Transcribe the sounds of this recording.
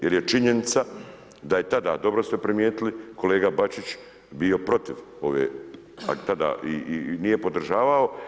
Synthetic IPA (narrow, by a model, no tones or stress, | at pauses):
jeɾjet͡ʃiɲe̞nit̪sa | d̪aje̞t̪ad̪a̰ːd̪o̞bɾo̞st̪epɾimjeːt̪iliko̞leːɡabat͡ʃit͡ʃ | bio̞pɾo̞t̪iʋo̞ʋḛː | a̰t̪ad̪a̰ːʔinijepo̞d̪r̩ʒaːʋao̞